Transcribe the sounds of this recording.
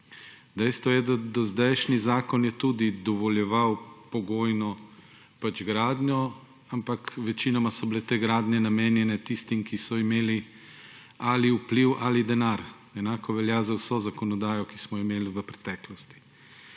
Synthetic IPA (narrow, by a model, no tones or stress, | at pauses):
d̪ɛjst̪ʋɔjɛd̪ad̪ɔzd̪ɛjʃnizaːkɔnjɛt̪uːd̪id̪ɔʋɔljɛʋawpɔɡoːjnɔ | pad͡ʒɡɾaːd̪ɲʲɔ | ampakʋɛt͡ʃinɔmasɔbilet̪eːɡɾaːd̪nʲɛnameːnjɛnɛt̪ist̪imkisɔimeːli | aliupliwʔalid̪ɛnaɾ | ɛnaːkɔʋɛljazawsɔzakɔnɔd̪aːjɔkismɔimeːliʋəpɾɛ̥t̪ɛːklɔst̪i̥